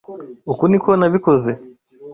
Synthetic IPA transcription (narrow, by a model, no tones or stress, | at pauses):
ukunikuɔnaβikɔzi